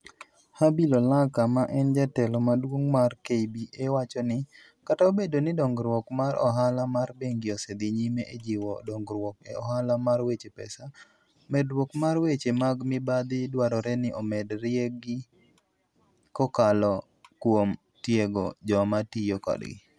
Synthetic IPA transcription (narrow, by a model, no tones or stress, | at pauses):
habilolakamaʔɛnd͡ʒatɛlɔmadwoŋmarkebiʔewat͡ʃɔnɪ | kataobedonɪdɔŋɡɾwɔkmaɾʔɔ̰ɦalamarbeŋɡɪosed̪ɪɲimeʔed͡ʒɪwɔdɔŋɡɾwɔkeɔɦalamarwet͡ʃepɛ̰sa | mɛdɾwɔkmarwet͡ʃemaɡmɪbad̪ɪdwaɾɔɾɛnɪʔɔmɛdɾɪeɡɪ | kɔkalɔ | kwom | tjeɡɔd͡ʒɔmatijokɔ̰dɡɪ̰